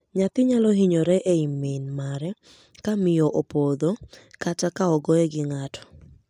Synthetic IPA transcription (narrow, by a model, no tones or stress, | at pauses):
ɲat̪ɪɲalɔɦiɲoɾɛʔeimːɪnmaɾɛ | kamɪjɔʔopod̪okat͡ʃakaɔɡɔɛɡɪŋatɔ̥